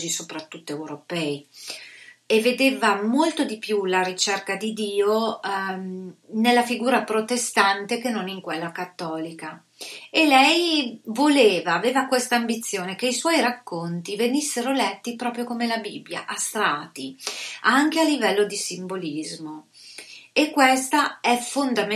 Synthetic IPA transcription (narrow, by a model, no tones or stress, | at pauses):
zisopɾat̪ːut̪ːoewɾopɛːi | evːed̪eːvamolt̪od̪ipjulaɾit͡ʃɛrkad̪id̪iːo | nelːafiɡuːɾapɾot̪est̪ant̪ekenːoniŋkwelːakat̪ːɔːlika | elɛjvoleːvaːveːvakwest̪aːmbit̪sːjoːnekeiswɔjɾakːont̪ivenisːeɾolɛt̪ːipɾɔːpɾjokomelabibːja̰ʔast̪ɾaːt̪iaŋk̟ealːivɛlːod̪isimbolizmo | ekːwest̪aɛfond̪am